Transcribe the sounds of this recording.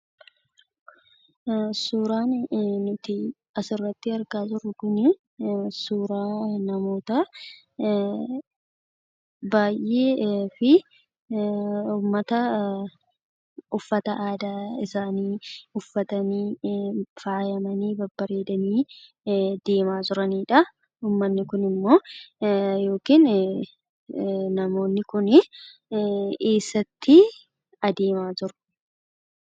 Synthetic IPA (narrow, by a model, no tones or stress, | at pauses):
suːɾaːnnʊt̪ɪ | ɐsɪrːɐt̪ːɪɐɾkaːt̪ʊɾːʊkʊnɪ | suːɾaːnɐmo̞ːt̪ɐ | baːjʔe̞ːfɪ | ʊːmːɐt̪ɐ | ʊfːɐt̪ɐʔaːd̪aːɪsaːniːʊfːɐt̪ɐniː | faːjɐmɐniːbɐbːɐɾe̞ːd̪ɐniː | d̪̥e̞ːmaːd͡ʒɪɾɐniːᶑɐ | uːmːɐnːɪkʊnɪmːo̞ː | jo̞ːkiːn | nɐmo̞ːnːɪkʊnɪ | eːsːɐt̪ʰːɪ | ɐd̪e̞ːmaːd͡ʒɪɾʊ̥